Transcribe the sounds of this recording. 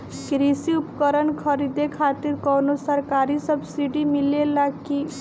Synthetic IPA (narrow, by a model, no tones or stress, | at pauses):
kɾisiupkəɾənkʰəɾid̪ekʰat̪iɾkɔwnosəɾkaɾisəbʱsiɖimilelaki